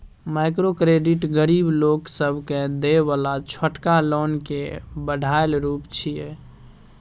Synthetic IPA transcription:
majkɾokɾeɖiʈɡəɾibloksəbʱked̪ebalat͡ʃʰəʈkalonkebəɖʱaelɾupt͡ʃʰije

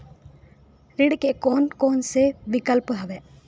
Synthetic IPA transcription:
ɾɪɽkekoːnkoːnseʋɪkəlpɦɐʋeː

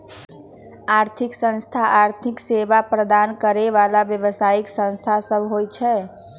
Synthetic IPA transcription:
aːɾt̪ʰɪksə̃nst̪ʰaʔaɾt̪ʰɪkseʋapɾəd̪ankəɾeʋalabjəʋəsaɪksə̃nst̪ʰasəbʱɦojt͡ʃʰɛ

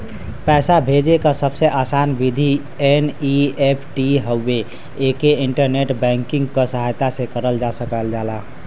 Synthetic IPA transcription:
pɛːsabʱed͡ʒekəsəbseʔasanbid̪ʱi | eniepʰʈiɦəːe | ekeiɳʈəɾneʈbɛ̃ŋkiŋɡkəsəɦajt̪asẽkəɾəld͡ʒasəkəld͡ʒala

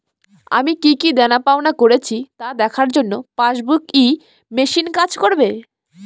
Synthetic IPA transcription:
a̰mikikid̪ɛnapaonakoɾet͡ɕʰit̪ad̪ɛkʰaɾd͡ʑonːopaʃbuki | meʃinkad͡ʑkoɾbe

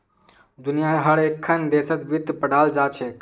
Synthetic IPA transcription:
d̪unijaɦəɾekʰːənd̪esət̪bid̪pəɽ̤ʱald͡ʒat͡ʃʰɛ

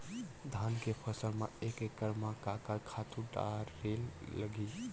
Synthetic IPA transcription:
d̪ʱankepʰəsəlmaekekːəɾmakakakʰat̪ũɖa̰ɾːelːəɡi

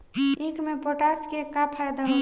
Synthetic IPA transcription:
ĩkmepoʈaskekapʰajd̪aɦ

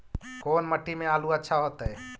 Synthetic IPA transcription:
koːnməʈːimeaːluətːʃʰaɦot̪əj

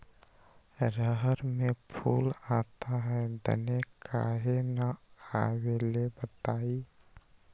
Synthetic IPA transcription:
ɾəɦəɾmepʰuːlaːt̪aɦɛd̪ə̰nekʰa̰ɦenaawelebət̪aːi

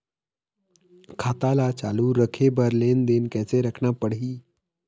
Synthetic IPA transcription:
kʰat̪alat͡ɕaluːɾəkʰebəɾlend̪enkɛ̃t͡seɾəkʰnapəɽɦiː

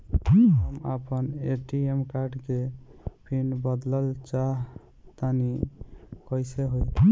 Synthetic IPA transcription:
ɦəma̰pəneʈiemkaɾɖkepʰinbəd̪ləlt͡ʃaɦ | t̪ani | kəjseɦoj

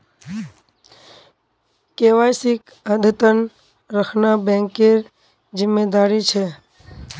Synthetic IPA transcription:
keʋajsɪk | əd̪ʱət̪ən | ɾəkʰnabɛ̃ŋkeɾ | d͡ʒɪmːed̪aːɾit͡ʃʰe

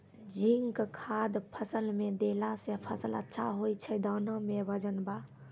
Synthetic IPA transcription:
d͡ʒiŋkkʰad̪pʰəsəlmed̪elasepʰəsələ̰tːʃʰa̰ɦojt͡ʃʰəd̪əːnəmebəd͡ʒənba

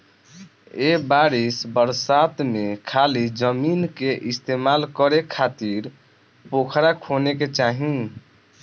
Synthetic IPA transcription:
ebaɾisbəɾsat̪mekʰalid͡ʒəminkeʔist̪emalkəɾekʰat̪iɾ | pokʰɾakʰoneket͡ʃaɦĩ

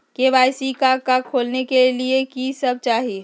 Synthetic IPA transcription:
keʋaːɪsikakakʰːoːlnekeliekisɐb̚t͡ʃaːɦi

